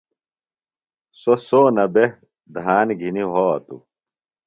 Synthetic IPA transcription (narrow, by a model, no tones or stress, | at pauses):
sosoːnɐbe | d̪ɦaːnɡʱiniɦoːɐ̰t̪ṵ